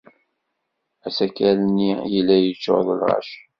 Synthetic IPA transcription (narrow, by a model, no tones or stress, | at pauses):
æsækːælənːijəlːæjət͡ʃːo̰ðˤəlʁɑ̰ʃ